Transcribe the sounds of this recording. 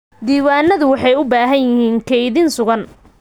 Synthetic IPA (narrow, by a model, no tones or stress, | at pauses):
d̪iːwaːnːɐðʊwɑħɑjʊbaːɦɐnjɪhiːŋkʰɛjðɪnsʊɣɐn